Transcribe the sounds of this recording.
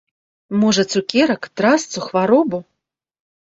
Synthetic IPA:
mɔʐɐt̪sukʲɛɾɐkt̪ɾast̪suxvaɾɔbu

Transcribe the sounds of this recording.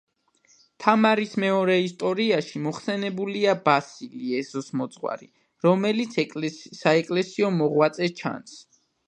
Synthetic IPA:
t̪ʰamaɾismɛɔɾɛist̪ʼɔɾiaʃimɔχsɛnɛbuliabasiliɛzɔsmɔt̪sʼχwa̰ɾi | ɾɔmɛlit̪sʰsaɛkʼlɛsiɔmɔʁwat̪sʼɛt͡ʃʰa̰ns

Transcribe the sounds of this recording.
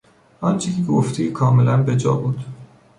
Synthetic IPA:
ʔɒnt͡ʃʰecʰeɡoft̪ʰikʰɒːmelænbe̞d͡ʒɒ̰ːbuːd̪̥

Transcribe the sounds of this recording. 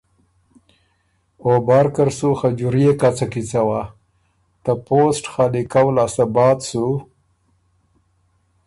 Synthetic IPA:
obaɾkəɾsuxad͡ʒuɾijekat͡sakit͡sawa | t̪aposʈxalikawlasabɑt̪su

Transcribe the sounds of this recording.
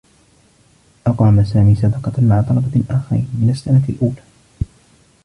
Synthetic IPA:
ʔɑqɾɑmasaːmiːsɑd̪ɑqɑmaʕat̪ˤɑlɑbɑlʔaːxaɾḭːnmɪnasːanalʔuːlaː

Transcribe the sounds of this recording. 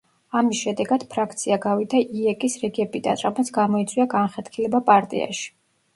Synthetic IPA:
amisʃɛd̪ɛɡad̪̥pʰɾakʰt̪sʰiaɡavid̪aʔiɛkʼisɾɛɡɛbid̪a̰nɾamɛt̪sʰɡamɔit̪sʼwiaɡanχɛt̪kʰilɛbapʼaɾt̪ʼḭa̰ʃi̥

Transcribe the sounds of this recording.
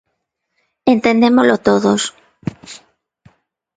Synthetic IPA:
ent̪end̪emolot̪oðos

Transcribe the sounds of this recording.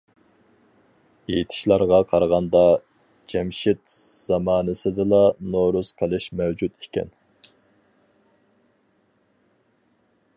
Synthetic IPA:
ejt̪ʰɪ̥ʃlˠɑɾʁɑqʰɑɾʁɑnd̪ɑ | d͡ʒɛmʃɪt̪z̥ɑmɑːnɨsɨd̪ɨlˠɑnoɾusqʰəlˠɨʃmɛwd͡ʒut̪ʰi̥kʲɛ̰n

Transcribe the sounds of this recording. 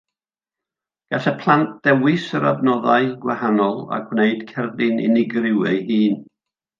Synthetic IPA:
ɡ̥atapʰlˠant̚d̥ɛwɪsəɾa̰bnɔðaɨɡwahanɔlˠa̰ɡwneɨd̥kʰɛrdɪnɪ̰nɪɡrɪwəjhiːn

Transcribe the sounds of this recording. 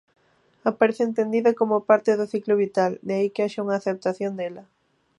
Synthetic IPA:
apaɾeθeent̪end̪iðɐkomʊpaɾt̪ɪðʊθiklʊβit̪ald̪eaikɪaʃauŋaːθep̚t̪aθjond̪elɐ

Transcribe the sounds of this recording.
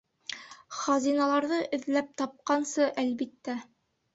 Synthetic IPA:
χɑzinɑlˠɑɾðɤʔɘ̆ðlæp̚t̪ɑp̚qɑnsɤʔælbit̪ːæ

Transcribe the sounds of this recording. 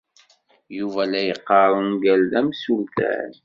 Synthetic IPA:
juvælæjəqːɑɾˤnɡælðæmsult̪æ̰n

